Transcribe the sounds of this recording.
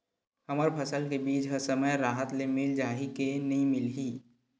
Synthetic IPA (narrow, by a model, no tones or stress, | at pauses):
həməɾpʰəsəlkebiːd͡ʒɦəɾsəməjɾaːɦət̪lemɪld͡ʒaːɦikenɐɦĩmɪlɦiː